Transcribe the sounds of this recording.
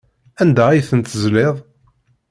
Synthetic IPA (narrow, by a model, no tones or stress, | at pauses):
ænd̪æijθənt̪zlɪðˤ